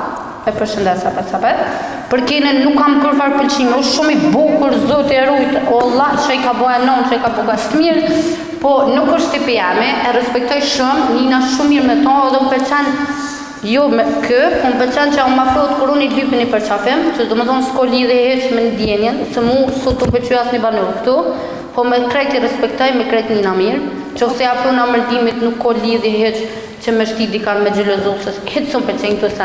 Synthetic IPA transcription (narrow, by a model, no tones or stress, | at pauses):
ɛpəɾʃənd̪ɛsapɛsapɛ | pəɾkɛninnːukːampəɾfaɾpəlt͡ɕimɛɔʃumibukuɾzɔt̪iɛɾujt̪ɔlˠat͡ʃajkabɔanɔnt͡ʃəkabukast̪miɾ | pɔnukɔʃt̪ipiɛmiʔɛɾɛspɛk̚t̪ɔjʃumninaʃumːiɾmɛt̪ɔɔðɛumpɛɾt͡ʃɛn | jɔmɛkʰəpɔmpɛɾt͡ɕɛnt͡ɕəmafɾɔt̪kuɾunilypinipəɾt͡ʃafɪmt͡ɕəd̪ɔt̪məθɔnskɔliðihɛt͡ʃmɛnəd̪jɛnjɛnsɛmusut̪umpɛt͡ʃyasnibanɔlkt̪u | pɔmɛkɾɛt̪iɾɛspɛk̚t̪ɔjmɛkɾɛjt̪ninamiɾ | t͡ʃɔsɛafɾunaməɾd̪imit̪nukːɔliðjɛɦɛt͡ʃ | t͡ɕəmɛʃt̪id̪ikanmɛd͡ʑɛlɔzusəshɛt̪sɔmpɛt͡ʃɛjnt̪usɛ